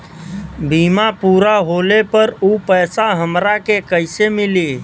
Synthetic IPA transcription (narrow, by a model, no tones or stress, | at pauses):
biːmapuːɾaɦoːlepəɾupəːsaɦəmɾakekəɪsemɪli